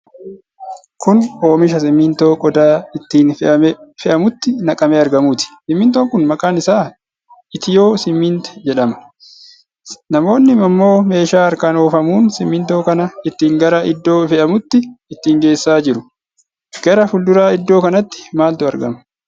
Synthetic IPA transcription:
kʊno̞ːmɪʃɐsɪmːɪnt̪oːkʼɔd̪aːɪt̪ːiːnfɛʔɐmʊt̪ːɪnɐkʼɐmeːɐɾɡɐmuːt̪ɪ̥sɪmːɪnt̪o̞ːŋkʊnmɐkʼaːnɪsaː | ɪt̪ɪjo̞ːsɪmːɪnt̪ɛ̥d͡ʒɛᶑɐmɐ̥ | nɐmo̞ːnːɪmɐmːo̞ːme̞ːʃaːɐɾkaːno̞ːfɐmuːnsɪmːɪnt̪o̞ːkɐnɐɪt̪ːiːŋɡɐɾɐʔɪd̪ːo̞ːfɛʔɐmʊt̪ːɪɪt̪ːiːŋɡe̞ːsːaːd͡ʒɪɾʊ | ɡ̥ɐɾɐfʊld̪ʊɾaːɪd̪ːo̞ːkɐnɐt̪ːɪ̥maːlt̪ʊɐɾɡɐ̰mɐ̥

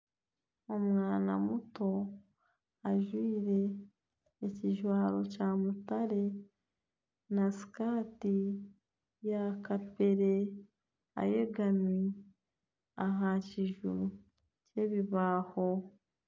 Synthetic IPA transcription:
o̞mŋaːna̰muto̞ | aʒwiːɾe̞ː | ciʒwaːɾo̞caːmutaɾe̞ | nasi̥kaːti | jakape̞ɾe̞ | a̰je̞ɡami | aɦaciʒu | ce̞βiβaːho̞

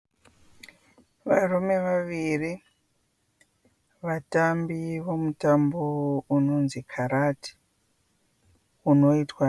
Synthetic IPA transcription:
ʋarume̞ʋaʋiri | ʋatambiʋo̞mutambouno̞nzikʰaɾati̥ | uno̞itwa

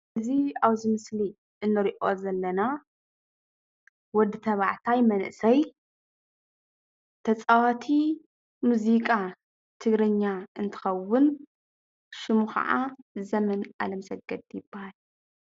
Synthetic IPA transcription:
ɨziaβzɨmɨsli | ʔɨnːɐɾiʔo̞zɐlːɐna | wɔd̪ːɨt̪ʰɐβaʕt̪ʰajmɐnɨ̰ʔsɐj | t̪ʰɐt͡sʼawat̪ʰi | muzikʼa | t̪ʰɨɡɾɨɲːaɨnt̪ʰɨ̥xɐwːʊn | ʃɪmuxɐ̰ʕazɐmɐna̰lɐmsɐɡ̚ɡɐd̪jɪbːahal

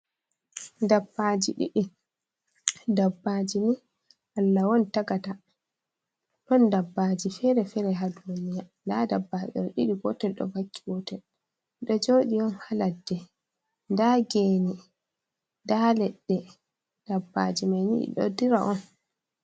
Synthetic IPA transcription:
dabːad͡ʒiɗiɗi | dabːad͡ʒini | ʔalːawɔntaɡata | tɔndabːad͡ʒifɛɾɛfɛɾɛɦadunijandadabːad͡ʒɛ̰ɗɔɗiɗiɡɔtɛlɗɔ̰vakːiɡɔtɛl | ɗɔd͡ʒoːɗijɔnhaladːɛ | ndaɡeːni | ndalɛɗːɛ | d̥abːad͡ʒimajnḭḭɗɔ̰diɾaʔɔn

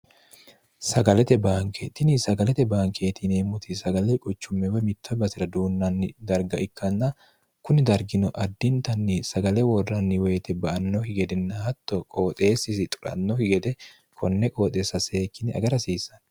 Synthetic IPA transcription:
sɐɡɐlɛt̪ɛbaːŋkeːt̪ɪnɪsɐɡɐlɛt̪ɛbaːŋkʰeːt̪ɪneːmːʊt̪ʰɪsɐɡɐlekʼɔt͡ʃːʊmːɛwɛmɪt̪ːɔbɐsɪɾɐd̪uːnːɐnːɪd̪ɐɾɡɐʔɪkːɐnːɐ | kʊnɪd̪ɐɾɡɪnɔʔɐd̪ːɪnt̪ɐnːɪsɐɡɐlɛwɔrːɐnːɪweːt̪ɛbɐʔɐnːɔhɪɡɛd̪ɛnːɐhɐt̪ːɔkʼo̞ːt̪ʼe̞ːsɪsɪt̪ʼʊ̥ɾɐ̰nːɔhɪɡɛd̪ɛ | kʰɔnːɛkʼo̞ːt̪ʼeːsːɐse̞ːkːɪnɪɐ̰ɡɐɾɐsiːsːɐ̥n

